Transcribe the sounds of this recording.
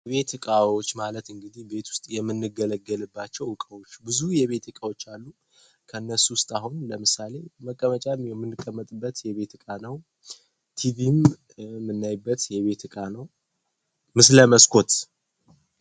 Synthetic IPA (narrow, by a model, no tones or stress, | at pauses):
jβe̞t̪ɨkʼawo̞t͡ʃːmalət̪ɨŋɡɨd̪ihbe̞t̪ʰwʊst̪ʼjɛmːɨnːɨɡələɡːəlɨbːat͡ʃːɛwɨkʼəwot͡ʃːbɨzujɛβe̞t̪ɨkʼawo̞t͡ʃːalːu | kʰəɨnːəsuwʊst̪ʼahunləmɨsale̞məkʼːəmət͡ʃʼamjɛmːɨnːɨkʼːəmːət̪ʼɨbːət̪jɛβe̞t̪ɨkʼanəw | t̪ʰivim | mːɨnːajbːət̪jɛβe̞t̪ɨkʼanəw | mɨsləməskʰo̞t̪